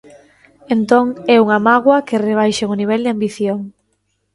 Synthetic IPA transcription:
ent̪oŋɛuŋamaɣwɐkɪreβ̞ajʃeŋoniβ̞ɛld̪eambiθjoŋ

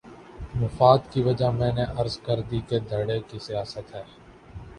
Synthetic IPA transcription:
mʊfaːd̪kiʋəd͡ʒaɦmɛ̃ːneʔɐɾzkəɾd̪iked̪ʱəɽekisijaːsət̪ɦɛː

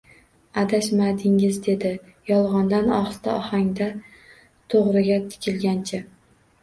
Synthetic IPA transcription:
ad̪aʃmad̪ɪŋɪzd̪e̞d̪ɪ | jɒlˠʁɒnd̪anɒχst̪ʰaɒhaŋd̪a | t̪ʰoʁɾɪɡʲat̪ʰɪ̥kʲʰɪlɡʲant͡ʃʰɪ

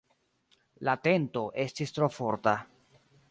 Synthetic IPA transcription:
late̞nto̞ʔe̞stistɾo̞fo̞ɾta

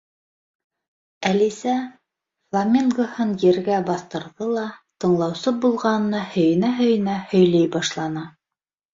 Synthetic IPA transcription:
ælisæ | flˠamʲiŋɡohɤnjɘ̆ɾɡæbɑθt̪ɤ̆ɾðɤlˠɑt̪ɤ̆ɴlˠɑwsɤbulˠʁɑnɤ̆nɑhɵ̆jɘ̆næɦɵ̆jɘ̆næhɵ̆jlɘjbɑʃlˠɑnɑ

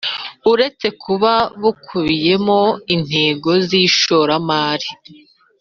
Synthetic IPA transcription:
uɾe̞t͡se̞kʰuβaβukʰuβije̞mo̞in̥he̞ːɡo̞ziːʃo̞ɾamaːɾi

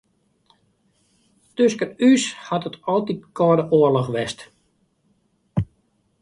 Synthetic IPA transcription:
tøskəryshatətɔlˠtit̚kʰɔːdəʔoərlɔxʋɛst

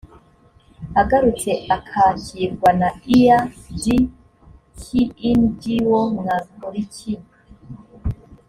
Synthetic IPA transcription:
haɡaɾut͡se̞akʰaciɾɡwanaijadi | kiːndɟiwomŋazuɾicʰin

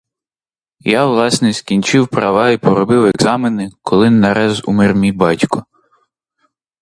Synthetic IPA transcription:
jaʋlˠɑsnɛskʲinʲt͡ʃɪwpɾɐʋɑipɔɾɔbɪwɛɡzɑmenɪkʰɔlˠɪnːɐɾʔɛzṵmɪrmʲijbɑtʲkɔ

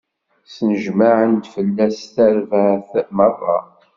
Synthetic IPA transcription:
snəʒmaʕənd̪fəlːæsθæɾvəʕθmɑrˤːɑ̰

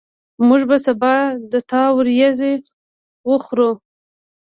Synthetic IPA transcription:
muʐbasabɑd̪ət̪ɑwəɾjaze | wəxɾu

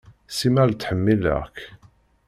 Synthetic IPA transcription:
simælt͡s̪ːħəmːilæ̰k

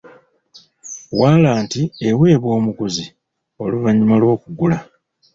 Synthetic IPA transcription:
waːlaːntiewe̞ːβwo̞ːmukuzi | o̞luvaɲːimalwo̞ːkuɡula

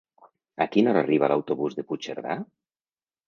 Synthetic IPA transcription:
akinozariβ̞alawt̪oβuzðeput͡ʃeɾða

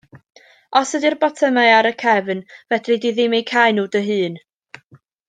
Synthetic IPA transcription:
ɔsədirbɔtʰəmaɨaɾəkʰɛvnvɛdrɨdiðɪmejkʰajnuːdəɦɨːn

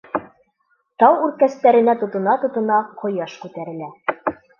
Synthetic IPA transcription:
t̪ɑwʉɾkæst̪æɾɘ̆næt̪ŏt̪ɤ̆nɑt̪ŏt̪ɤ̆nɑqʰŏjɑʃkʉt̪æɾɘ̆læ

